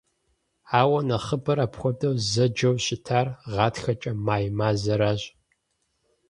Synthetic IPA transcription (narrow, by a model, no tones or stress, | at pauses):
aːwɐnɐχəbɐɾaːpxʷɔdʼɐwzɐd͡ʒɐwɕʼɪtʰaːrʁɑːtxɐt͡ʃʼɐmaːjmaːzɐɾaːʑ